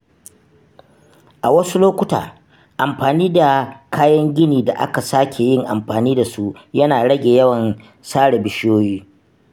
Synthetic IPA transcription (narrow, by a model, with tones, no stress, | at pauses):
ʔa˨wɐ˦su˦loː˦kʷʊ˦ta̰ː˨ | ʔa˨mɸaː˨niː˦da˨kʰaː˦jɐ˦ŋɡʲɪ˦niː˨da̰˨ʔa̰˦ka˨saː˦kʲʰe˨jɪ˦ŋʔa̰˨mɸaː˨niː˦da˨su˦jɐ˦naː˨ɽɐ˦ɡʲeː˨jɐ˦wɐ˨n | saː˦ɽe˨bɪ˨ʃɪ˦joː˦jiː˦